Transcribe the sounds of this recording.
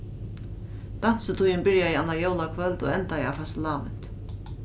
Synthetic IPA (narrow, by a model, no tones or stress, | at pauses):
d̪̥an̥sət̪ʰujənbɪɹjajanːajowlakʰvœlt̪o̰ːɛnt̪aja̰fast̪laːʋɪ̰nt̪